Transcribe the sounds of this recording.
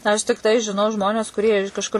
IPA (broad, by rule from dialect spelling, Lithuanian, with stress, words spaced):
ɐʃ tʲɪkˈtɐɪ ʒʲɪˈnɐʊ ˈʒmoːnʲɛs kʊˈrʲiɛ ɪʃ kɐʃˈkʊr